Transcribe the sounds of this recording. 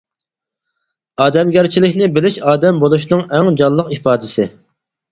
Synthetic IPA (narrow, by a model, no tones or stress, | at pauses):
ɑːd̪ɛmɡʲæɾt͡ʃʰilɪkʲnɪbɪlɪʃɑːd̪ɛmbolˠuʃnɨŋɛŋd͡ʒɑllˠːəqipɑːd̪ɪsɪ